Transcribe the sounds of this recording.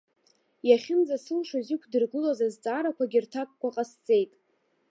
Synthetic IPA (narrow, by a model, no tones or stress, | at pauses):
jaχʲɪnd͡zasɨlʂozɪkʷʰdɨrɡɨlazazt͡sʼaːɾakʷaɡʲirtʰakʷʼkʷʰaqʼast͡sʼe̞jtʼ